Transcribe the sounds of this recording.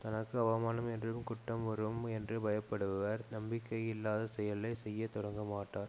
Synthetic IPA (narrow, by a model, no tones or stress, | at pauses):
t̪ɐnɐkːɯɐʋɐmaːnɐmɛndrɯmkʊʈːɐmʋɐɾɯmɛndrɯbɐjɐpːɐɽɯʋɐɾnɐmbɪkːɐjɪlːaːðɐsɛjɐlːɐɪsɛjːɐt̪ɔɽɐŋɡɐmaːʈːaːɾ